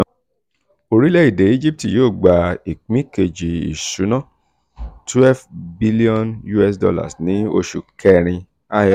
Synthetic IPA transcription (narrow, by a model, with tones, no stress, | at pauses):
o˧ɾi˨˦lɛ˦i˨de˨˦i˦d͡ʒi˦p̚ti˨joː˦˨ɡ͡ba˨i˨k͡pĩ˦ke˧d͡ʒi˨ḭ˨su˨˦nã˦˨ | tʰwɛ˦vbi˦li˦ɔ̃˦nju˦ɛ˧s̬dɔ̰˧la̰˨snĩ˨˦o̰˧ʃu˨kʰɛ˧ɾ̃ĩ˧ | a˦j